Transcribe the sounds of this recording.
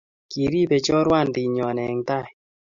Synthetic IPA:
ki˨ɾi˦pe˨t͡ʃɔ˦ɾwa˦˨ndɪ˨ɲɔ˨nɛ˨ŋta˦˨j

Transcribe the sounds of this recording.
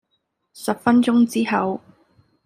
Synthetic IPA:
sɐ˨p̚fɐ˥nt͡ʃʊ˥ŋt͡siː˥ɦɐ˨˧w

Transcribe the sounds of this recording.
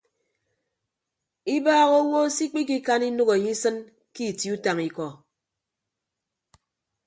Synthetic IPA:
i˦baː˦ɣo˦ŋo˦si˦k͡pi˦k̬i˦ka˦ni˦nu˦ɣe˨ɲi˦sɨ˦n | ki˦˨ti˨u˦ta˨ŋi˨kɔ˨

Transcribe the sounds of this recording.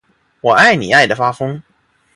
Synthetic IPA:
wɔ˨˩a˥˩ɪni˨˩a˥˩ɪd̪ə˩fa˥fɤ˥ŋ

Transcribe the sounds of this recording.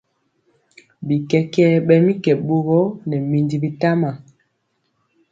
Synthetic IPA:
bi˨kɛ˦kɛ˦ɓɛ˦mi˦kɛ˨ɓo˦ɣɔ˦nɛ˨mi˨ndi˨bi˦ta˦ma˨

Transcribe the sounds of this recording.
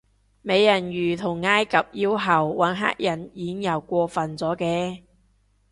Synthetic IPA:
me˨˧jːɐ˨˩njyː˨˩t̪ʰʊ˨˩ŋːaː˥jkɐ˨p̚jiː˥wɦɐ˨˩wːaː˨˥nɦa̰ː˥k̚jɐ˨˩njiː˨˥ŋjɐ˨˩wkʷɔː˧fɐ˨nt͡sɔː˨˥kɛː˧

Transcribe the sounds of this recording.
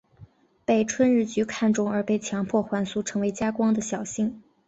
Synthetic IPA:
pe˥˩ɪʈ͡ʂʰwə˥nɻɻ̩˥˩t͡ɕy˧˥kʰa˥˩nʈ͡ʂʊ˥ŋə˞˧˥pe˥˩ɪt͡ɕʰjɑ˧˥ŋpʰwɔ˥˩xwa˧˥nsu˥ʈ͡ʂʰɤ˧˥ŋwe˧˥ɪt͡ɕja˥kwɑ˥ŋd̪ə˨ɕjɑ˨˩ʊɕi˥˩ŋ

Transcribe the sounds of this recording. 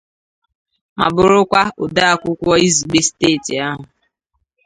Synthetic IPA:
ma̰˨bʊ˨ɾʊ˦kʷa˦ʊ˨da˦a˦kʷʊ˦kʷɔ˦i˦zi˨ɡ͡be˦steː˦˨ti˨a˦ɦʊ˨

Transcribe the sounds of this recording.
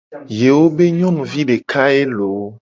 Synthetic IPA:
je˨wo˦be˦ɲɔ̃˦nũ˨vi˦ɖe˨ka˦e˦lo˨˦

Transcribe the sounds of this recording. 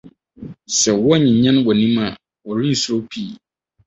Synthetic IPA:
sɛ˨wɔ˦ɲĩ˨ɲã˦nwɔ˨nĩ˦ma˨ | wɔ˨ɾĩ˦n̩˨so˦pʰi˦˨

